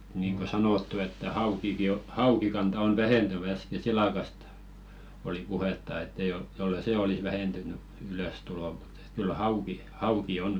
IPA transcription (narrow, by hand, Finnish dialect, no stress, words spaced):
niːŋ ko sɑnoˑtːu etːæ hɑukiki o hɑukikɑntɑ on ʋæhentyn æske silɑkɑst oli puhetːɑ etː ei jol jolːei seˑ olis ʋæhentyny yløˑstulo mu̥t e̥t kyl hɑuki hɑuki on